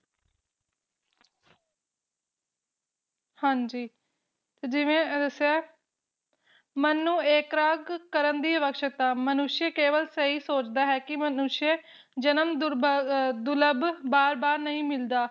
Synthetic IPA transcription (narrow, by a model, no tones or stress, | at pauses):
hãːɲd͡ʒiː | t̪eːd͡ʒɪʋẽːd̪əsaː | mənːũːeːkɾaːɡkəɾənd̪iːəʋəkʃək̚t̪aːmənʊʃjəkeːʋəlsəɦiːsoːt͡ʃd̪aːɦɛːkɪmənʊʃjə | d͡ʒənəmd̪ | d̪ʊləbbaːɾbaːɾnəĩːmɪld̪aː